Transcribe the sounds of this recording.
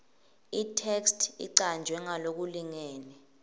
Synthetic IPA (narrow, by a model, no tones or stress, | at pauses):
itʰɛkstʰḭǀand͡ʒʱwɛŋalok̬uliŋɛːnɛ